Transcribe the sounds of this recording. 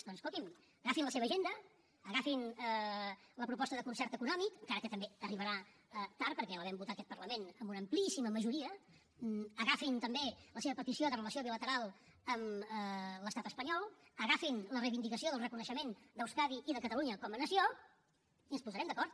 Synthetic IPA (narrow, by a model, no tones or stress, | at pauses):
d̪ɔnskolˠt̪im | əɣafinləseβəʒend̪əː | ɣafinələpɾupɔst̪əðəkunsɛɾt̪əkunɔmikəŋkaɾəkət̪əmbeəriβ̞əɾaət̪aɾ̚pəɾkɛləβɛmbut̪atəkɛt̪̚pərləmenəmbunəmplisiməməʒuɾiə | əɣafint̪əmbeləseβəpət̪isioðərələsioβilət̪əɾalˠ | əmələst̪at̪əspəɲɔlˠəɣafinlərəjβind̪ikəsioðəlˠrəkunəʃəmend̪əwskaðiʔiðəkət̪əluɲəkɔmənəsio | iənspuzəɾɛmd̪əkɔɾt̪